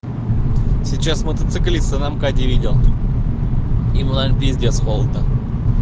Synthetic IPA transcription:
sʲit͡ɕasmət̪ət̪sɨklʲisənamkadʲɪvʲidʲɪlˠ | imunalʲpʲizʲdʲesxolˠd̪nə

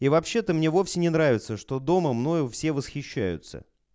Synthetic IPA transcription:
ivɐpɕːe̞t̪əmnʲe̞vo̞fsʲɪnʲɪnɾavʲɪt̪səʂt̪o̞d̪o̞məmno̞jʊfsʲe̞vəsxʲɪɕːæ̰jʊ̰t̪sə̰

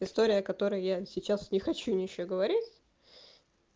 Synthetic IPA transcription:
ɪst̪o̞ɾʲɪjəɐkɐt̪o̞ɾɨjjasʲɪt͡ɕasnʲɪxɐt͡ɕunʲɪjɪɕːoɡəvɐɾʲitʲ

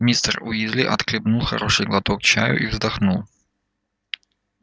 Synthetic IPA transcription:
mʲist̪ərʊjizʲlʲiʔɐ̰t̪klʲɪbnulˠxɐ̰ɾoʂɨjɡlˠɐt̪ok̚t͡ɕa̰jʊ̰ʔivzd̪ɐxnulˠ

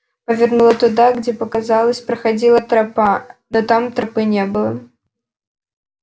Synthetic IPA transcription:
pɐvʲɛrnulˠɐt̪ʊd̪aɡd͡zʲɛpɐkazalˠɐsʲpɾɐxad͡zʲilˠɐt̪ɾapanɔt̪amt̪ɾapɨnʲɛbɨlˠɐ

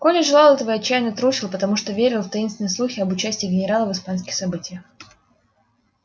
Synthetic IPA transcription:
kolʲɪʐɨlˠalˠɛt̪əvəjɐt͡ɕːæjnət̪ɾuɕʲɪlˠpət̪ɐmuʂt̪ovʲeɾʲɪlˠft̪ɐinst̪vʲɪnəjslˠuxʲɪɐbʊt͡ɕæsʲtʲɪːɡʲɪnʲɪɾalˠəvɨspanskʲɪxsɐbɨtʲɪjəx

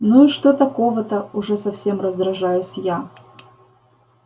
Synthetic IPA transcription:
nuiʂt̪ot̪ɐko̞vət̪əʊʐɛsɐfsʲe̞mrəzd̪ɾɐʐajʊsʲja

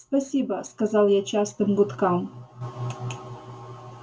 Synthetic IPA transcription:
spɐsʲibaskɐzɑlˠjat͡ɕast̪əmbut̪kɑm

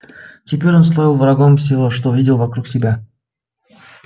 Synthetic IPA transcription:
tʲɪpʲeɾʲonslˠojʲilˠvrɐɡomfsʲɪvoʂt̪ovʲidʲɪlˠvɐkɾuksʲɪbʲa

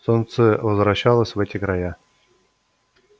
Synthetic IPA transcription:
sont̪səvəzvɾaɕːalˠəsʲvɛtʲɪkɾaja

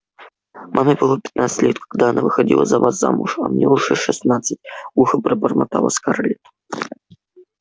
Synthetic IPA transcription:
mʔamʲɨbɨlˠapʲɪ̥t̪nat̪sɨ̥tʲlʲet̪kaɡd̪aɐnʔavɨxɐdʲḭlˠə̰zɐvasza̰mʊʂɐmnʲeʊʂɛʂɨsnat̪sɨtʲuxɨbɾəbərmɐt̪alˠə̰skaɾlʲɪt̪

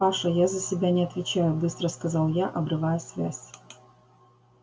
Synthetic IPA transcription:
aʂɐjazəsʲɪbʲanʲɪɐt̪vʲɪt͡ɕajʊbɨst̪ɾəskɐzalˠjaʔɐbɾɨvajʊsʲvʲasʲ

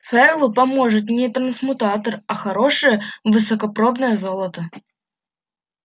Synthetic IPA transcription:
fɛrlˠʊpɐmoʐɨt̪̬nʲɪt̪ɾənsmʊt̪at̪ərɐxɐɾoʂɨjəvɨsəkɐpɾobnəjəzolˠət̪ə

